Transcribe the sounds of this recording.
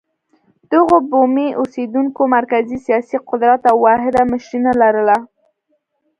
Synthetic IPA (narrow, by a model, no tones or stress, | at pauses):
d̪̥əɣobomeʔosed̪uŋkomaɾkazisijɑsiqʊd̪ɾat̪awwɑɦɪd̪aməʃɾinalaɾəla